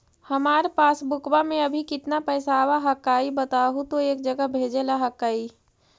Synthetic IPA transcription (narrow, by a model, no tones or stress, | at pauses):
həmaːɾpaːsbʊkbamẽəbʱikɪt̪napəɪsawaɦəkaːibət̪aːɦut̪oeːk̚d͡ʒəɡəbʱeːd͡ʒelaɦəkːaːi